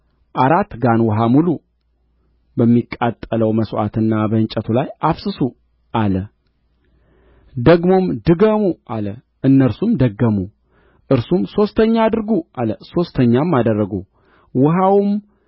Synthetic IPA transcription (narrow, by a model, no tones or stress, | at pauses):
ʔaɾat̪ːɡanwɔɦamulu | bəmːikʼːat̪ʼːələwməsʔa̰t̪ʰɨnːabəɨnt͡ʃʼət̪ʰulajʔaβsɨsu | ʔalə | d̪əɡmo̞md̪ɨɡəmuʔalə | ʔɨnːəɾsumd̪əɡːəmu | ʔɨɾsumso̞st̪ʰəɲːad̪ɨɾɡuʔaləso̞st̪ʰəɲːamːad̪ərːəɡu | wɨɦawm